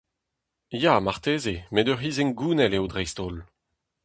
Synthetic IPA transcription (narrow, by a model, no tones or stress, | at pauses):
jamaʁt̪eːzemɛdœʁiːzɛŋɡuːnɛleodʁɛjst̪ol